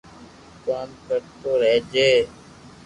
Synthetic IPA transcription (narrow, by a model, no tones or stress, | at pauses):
kaːmkəɾt̪oːɾeːd͡ʒeː